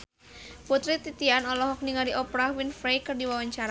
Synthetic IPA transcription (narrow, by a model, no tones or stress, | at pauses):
put̪ɾit̪it̪ianɔlɔɦɔk̚niŋaɾiʔɔpɾahwinfɾejkɨrdiwawaɲt͡ʃaɾa